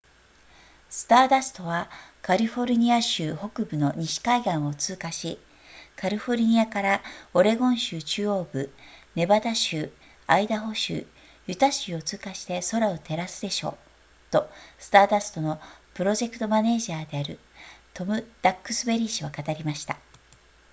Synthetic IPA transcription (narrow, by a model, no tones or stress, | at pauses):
sɨ̥t̪aːd̪asɨ̥t̪o̞βakaɾʲiɸo̞ɾʲɯɲ̟iaɕɨːho̞kɯ̟bɯ̟no̞ɲ̟iɕi̥kaiɡãɰ̃o̞t͡sɨːkaɕi | kʰaɾʲiɸo̞ɾʲɯ̟ɲ̟iakaɾao̞ɾe̞ɡõ̞ɰ̃ɕɨːt͡ɕɨːo̞ːɡɯ̟ne̞bad̪aɕɨː | aid̪aɦo̞ɕɨ̰ː | jɯ̟t̪aɕɨːo̞t͡sɨːkaɕi̥t̪e̞so̞ɾaot̪e̞ɾasɨd̪e̞ɕo̞̰ː | t̪o̞sɨ̥t̪aːd̪asɨ̥t̪o̞no̞pɯ̟ɾo̞ʑe̞kɯ̟̥t̪o̞mane̞ːʑiaːd̪e̞aɾɯ̟ | t̪o̞mɯ̟d̪̥akːɯ̟̥sɨbe̞ɾʲiɕiβakat̪aɾʲimaɕi̥t̪a